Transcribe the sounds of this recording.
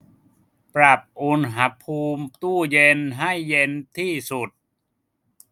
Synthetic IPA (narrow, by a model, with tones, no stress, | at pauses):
pɾa˨˩p̚ʔu˨˩˦nɦa˦˥pʰuː˧mt̪uː˥˩je˧nɦa˥˩jːe˧nt̪ʰiː˥˩su˨˩t̪̚